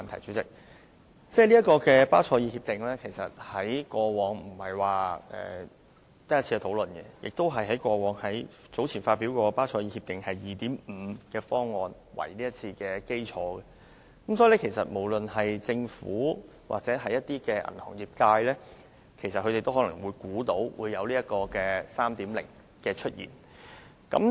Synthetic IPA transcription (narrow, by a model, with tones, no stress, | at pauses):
mɐ˨nt̪ʰɐ˨˩jt͡syː˨˥t͡sɪ˨˩k̚ | t͡sɛː˥˩liː˥ɐ˥tkɔː˧kɛː˧paː˥wt͡sʰɔː˧jiː˧hiː˧p̚t̪ɪ˨ŋlɛː˥kʰe˨˩jsɐ̰˨t̚hɐ˨˥jkʷɔː˧wɔː˨˥ŋm̩˨˩hɐ˨jwaː˨˩ɛ̰ː˨ | t̪ɐ˥jɐ˥tt͡sʰiː˧kɛ˧t̪ʰo˨˧˥wlɵ˨nɡɛ̰˧jɪ˨k̚t̪o˥wɦɐ˨jɦɐ˨˥jkʷɔː˧wɔː˨˧˥ŋhɐ˨˥j | t͡so˨˥wt͡sʰiː˨˩nfaː˧t̚piː˨˥wkɔː˧paː˥t͡sʰɔː˧jiː˧hi˧p̚t̪ɪ˨ŋhɐ˨jːiː˨t̪iː˨˥m̩ː˨˧kɛː˧fɔː˥ŋːɔː˨˧n | wɐ̰˨˩jniː˥jɐ˥t̚t͡sʰiː˧kɛː˧ke˥jt͡ʃʰɔː˨˥ɡɛ˧ | kɐ˨˥msɔː˧˥ji˨˩ɛ˥kʰe˨˩jsɐ˨t̚mo˨˩wlɵ˨nɦɐ˨jt͡sɪ˧ŋfuː˨˥ | wʔa̰˨k̚t͡sɛː˨˥ɦɐ˨jːɐ˥t̪̚iː˥kɛː˧ʔɐ̰˨˩nhɔ̰ː˨˩ŋjiː˨p̚kaː˧jlɛː˥ | kʰe˨˩jsɐ˨t̚hɵ˨˧ɾe˨jt̪o˥wɦɔ˨˥lɐ̰˨˩ŋwuː˨˧jkuː˨˥t̪o˨˥wwṵː˨˧jːɐ˨˧wliː˥jɐ˥t̚kɔː˧kɛː˧saː˥mt̪iː˨˥mlɪ̰˨˩ŋ | kɛː˧t͡ʃʰɵ˥t̚jḭː˨˩n | kɐ̰˨˥m